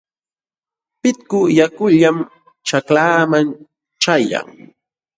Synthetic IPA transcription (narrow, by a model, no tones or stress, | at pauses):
pɪt̪kʊjakʊʎam | t͡ʃaklaːman | t͡ʃaja̰ŋ